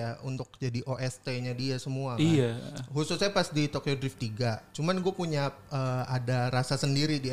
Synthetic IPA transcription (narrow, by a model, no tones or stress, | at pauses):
aunt̪ʊk̚d͡ʒadiʔoʔɛst̪eɲadiasəmuakiahusʊsɲapasdit̪okodɾɪft̪iɡat͡ʃumanɡuapuɲa | əadaɾasasəndiɾidia